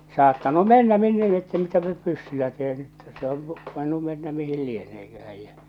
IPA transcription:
sɑːtːɑnu menːæ minːe lie tːæ mitæpæ nyt pysːylæ teːn e̥tːæ̥ se oŋ ku ʋoinːu menːæ mihil lieneːkæhæj jæ

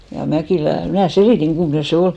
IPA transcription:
jɑ mækiˑlæ mnæˑ seliˑtiŋ ɡ̊umːŏne se ol

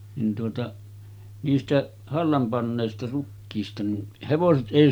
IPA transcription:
nin tuotɑ niːstæʔ hɑlːɑm pɑnːeˑistɑ rukːiːstɑ nin heʋoset ʔeˑi

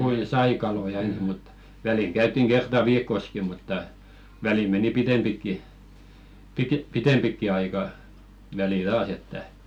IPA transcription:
kuin sɑi kɑlojɑ ens mut ʋæliŋ kæytˑiŋ ɡ̊ertɑ ʋiːkːoski mutːɑ ʋælim meni pitempikːi pike pitempikːi ɑikɑ ʋælil tɑːs etːæ

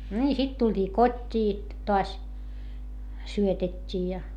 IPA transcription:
nʲiː sit tulʲtʲiː kotʲːiː toɑs syøtetʲːiː jɑ

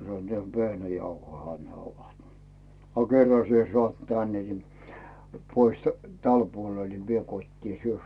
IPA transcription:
sɑnːŭŏ ehæ ʋehnæjɑuhoihɑ ne oʋɑt ɑ kerːɑ sie sŏɑˑt tænːe ni pois tæl puol ni ʋie kotʲtiː syø

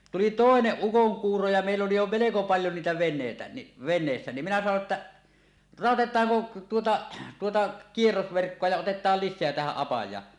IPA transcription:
tuli toˑeneʔ ʔukoŋkuːro jɑ meˑilː oli jo meleko pɑljo niːtæ ʋenˑeˑitæ ni ʋenˑeːsːæ ni minæ sɑno etːæ rɑˑotetˑɑːŋko tuotɑ tuotɑ kierːosʋerkːoɑ jɑ otetˑɑːl lisˑeæ tæhæʔ ʔɑpɑjˑɑː

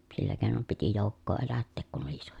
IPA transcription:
silːæ keːnom piti joˑukːoː elætːeːk kun oli iso

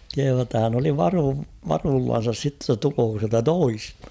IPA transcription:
kehuː tːɑ hæn oli ʋɑruː ʋɑruːlːɑn̞sɑs sitːe tːɑ tuloːko siæltæ toistɑ̥

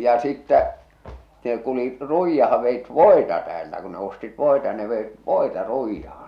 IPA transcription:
jɑ̆ jɑ sitːæ ne kulit ruijːɑhɑ ʋeit ʋoˑe̝tɑ tæːltæ ku ne ostit ʋoˑetɑ ne ʋeit ʋoˑetɑ ruijːɑhɑn̞

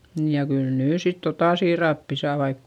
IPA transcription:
niːj jɑ kyl nyː sit totɑˑ siːrɑpːi sɑː ʋɑik

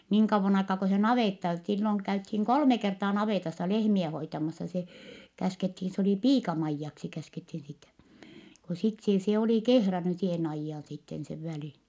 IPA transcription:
niːŋ kɑʋːon ɑikɑː ko se nɑʋeˑtːɑ silːoŋ kæythiːŋ kolme kertɑː nɑʋeˑtɑsːɑ lehmiɛ hoitɑmɑsːɑ se kæskethin se oli piːkɑmɑijːɑksi kæskethin sitæ ko sit seː se oli kehræny seːn ɑijːɑːn sitːen seʋ ʋælin

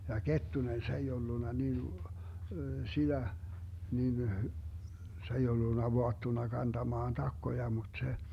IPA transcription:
jɑ ketːunen se ei olːunːɑ nin sid̥æ nin se ei olːunːɑ ʋoɑtːunɑ kɑntɑmɑːn tɑkːojɑ mut se

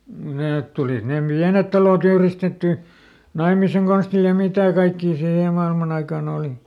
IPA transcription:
neːt tulit ne piænet tɑlot yhristetːyˑ nɑimiseŋ konstil jɑ mitæˑ kɑikːiː siːhe mɑilmɑn ɑikɑːn oːli

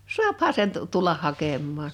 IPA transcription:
suɑphɑ sen tu tulːɑh hɑkemːɑːn

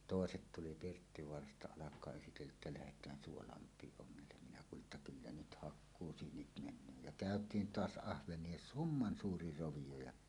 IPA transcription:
toˑeset tuli pirtːiʋoɑrɑstɑ ɑlɑkˑɑː esitelːæʔ ʔetːæ læhetˑæːn suolɑmpˑiːʔ ʔoŋːelːem minæ kuːliʔ ʔetːæ kylːæ nyt hɑkːuːsyːnit menˑøː jæ kæˑøtˑiːn toɑs ɑhʋenˑie sumːɑn suːri roʋijo jɑ

